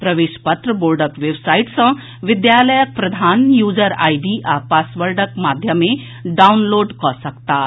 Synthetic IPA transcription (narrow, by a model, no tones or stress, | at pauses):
pɾəʋeʃpət̪ɾəboːɾɖəkʋebsaiʈsə̃ | ʋɪd̪jaləjək̚pɾɐd̪ʱaːnjud͡ʒəɾa̰jɖiʔapasʋəɾɖəkmad̪ʱjəme | ɖawnloːɖkɔsəkt̪a